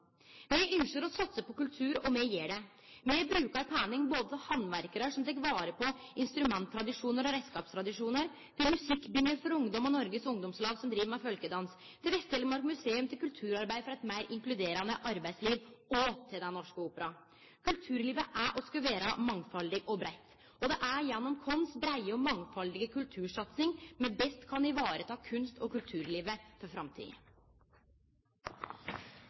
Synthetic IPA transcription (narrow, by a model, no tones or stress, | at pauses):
mɛʔʏnʂəɾɔsɑt̪səpɔkʉlt̪ʰʉːɾɔmɛjeːɖɛ | mɛbɾʉːkɑɾpʰæːnɪŋboːd̪əsɔhɑnʋæɾkəɾəʂɔmt̪ʰɛkʋɑːɾəpʰɔ | ɪnst̪ɾʉmɛnt̪ʰːɾɑd̪ɪʂuːnəɾɔɾɛskɑːpst̪ʰɾɑd̪ɪʂuːnəɾ | t̪ʰɪlmʉsɪkːbʏŋːəɾfɔɾʊŋd̪ɔmɔnɔɾɡəsʊŋd̪ɔmslɑːɡsɔmd̪ɾiːʋəɾmæfœlkəd̪ɑns | t̪ʰɪlʋɛst̪ɛlːəmɑɾkmʉseːʉmt̪ʰɪlkʉlt̪ʰʉːɾɑɾbæɪfɔɾɛɪt̪mæɪɾʔɪŋklʉd̪eːɾɑnəʔɑɾbæɪsliːʋɔt̪ʰɪld̪ɛnɔʂkəuːpəɾɑ | kʰʉlt̪ʰʉːɾliːʋəʔæʔɔskɑʋeːɾɑmɑŋfɑld̪ɪɡɔbɾæɪt̪ː | ɔd̪ɛʔæɾjɛnːɔmkʰɔnsbɾæɪəɔmɑŋːfɑld̪ɪɡəkʰʉlt̪ʰʉːʂɑt̪sɪŋmɛbɛst̪kʰɑnɪʋɑːɾət̪ʰɑːkʰʉnst̪ɔkʉlt̪ʰʉːɾliːʋəfɔɾfɾɑmt̪ʰḭːə̰